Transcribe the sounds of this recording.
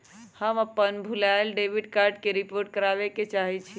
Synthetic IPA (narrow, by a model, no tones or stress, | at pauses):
həməpːənbʱulaɪlɖeʋiɖkaɾɖkeɾipoɾʈ̚kəɾaʋeket͡ʃaɦit͡ʃʰi